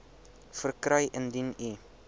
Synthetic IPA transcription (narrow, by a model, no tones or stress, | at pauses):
fərkɾəjʔəndini